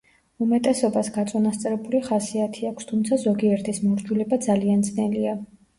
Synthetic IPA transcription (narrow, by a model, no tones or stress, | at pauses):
umɛt̪ʼɛsɔbasɡat̪sʼɔnast̪sʼɾɛbuliχasiat̪ʰiakʷʰst̪ʰumt̪sʰazɔɡiɛɾt̪ʰismɔɾd͡ʒulɛbad̪zaliant̪snɛlia